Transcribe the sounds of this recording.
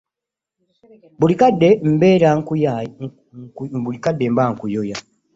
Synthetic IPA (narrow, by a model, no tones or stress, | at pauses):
bulikadːe̞m̩beːɾaŋ | bulikadːembaŋkujoja